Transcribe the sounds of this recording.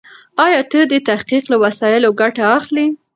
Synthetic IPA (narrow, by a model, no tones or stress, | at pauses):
ɑjɑt̪əd̪ət̪ahqiqlawasɑjɪloɡaʈaːxli